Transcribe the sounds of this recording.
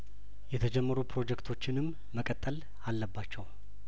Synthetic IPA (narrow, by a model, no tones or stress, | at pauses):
jɛt̪ʰəd͡ʒɛmːəɾupʰɾo̞d͡ʒɛkt̪ʰo̞t͡ʃːɪnɨmːəkʼət̪ʼːəl | alːəbːat͡ʃːɛw